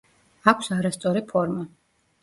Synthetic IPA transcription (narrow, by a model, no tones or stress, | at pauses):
akʷʰsaɾast̪sʼɔɾipʰɔɾma